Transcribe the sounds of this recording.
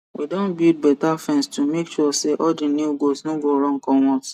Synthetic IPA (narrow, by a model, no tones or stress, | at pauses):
widõnbjud̚bɛtafɛ̃nstumekʃuɔseʔɔd͡ʒĩnuɡosnoɡoɾɔ̃ŋkɔ̃wɔ̃s